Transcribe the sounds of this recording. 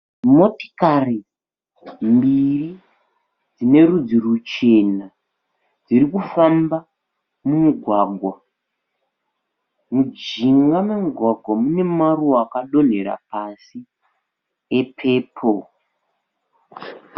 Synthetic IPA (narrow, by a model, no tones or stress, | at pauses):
mo̞ti̥kari | mbiri | d͡zine̞ɾud͡zirut͡ʃe̞na | d͡ziɾikufamba | mumuɡʱwaɡʱwa | mud͡ʒiŋɡamemuɡʱwaɡʱwamune̞maruakaɗo̞n̤e̞ɾa̰pasi | epʰe̞ːpʰo